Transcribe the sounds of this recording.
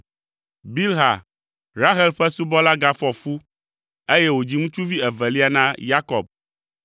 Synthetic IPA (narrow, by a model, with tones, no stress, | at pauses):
bi˦lɦa˨ | ɾa˦ɦɛ˦lɸɛ˦su˦bɔ˦la˦ɡa˦fɔ˨fu˦ | e˦je˦wo˨d͡ʑi˦ŋũ˦t͡ʃu˦vi˦ɛ˨vɛ˨li˦a˦nã˦ja˦kɔ˨b̚